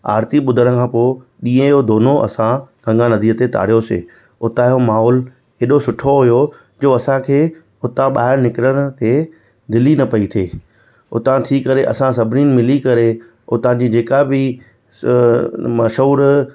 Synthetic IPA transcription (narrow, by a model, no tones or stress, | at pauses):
a̰ːɾt̪iɓʊd̪ʱəɽəkʰãpoː | ɗĩːə̃jod̪oːnoʔɐ̰sãɡ̥ɐ̃ŋɡãnɐd̪ʱiːət̪et̪a̰ːɽ̤ijosḛː | ʊt̪aːjomaːɦɔːl | eːɗosʊʈʰoɦʊjo | d͡ʑoːɐsãkʰeː | ʊt̪ãɓaːɦɪɾnɪkɪɾəɽ̃ʊ̆t̪e | d̪ɪlinɐpɐit̪ʰeː | ʊ̰t̪ãt̪ʰiːkɐɾeʔɐ̰sãsɐbʱniːnɪ̆mɪlikɐɾe | ʊt̪ãd͡ʑid͡ʑeːkabɪ | mɐʃuːɾ